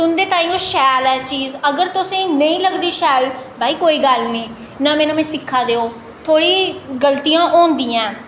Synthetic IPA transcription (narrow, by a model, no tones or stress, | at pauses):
sʊnd̪eːt̪ãːĩːõːʃɛːlɛːt͡ʃiːzəɡəɾt̪ʊsẽːnəĩːləɡd̪iːʃɛːlbʱaːiːkoːiːɡəlnĩː | nãːmɛ̃ːnãːmẽːsɪkʰːaːd̪eːoː | t̪ʰoːɽiːɡəlt̪ijãːʔɔːnd̪ĩːãː